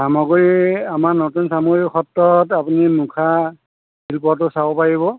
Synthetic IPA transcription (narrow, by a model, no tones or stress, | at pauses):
samɔɡɹiamaɹnotunsamuɹixɔtːɔtapunimukʰa | silpɔtʊsabɔpaɹibɔ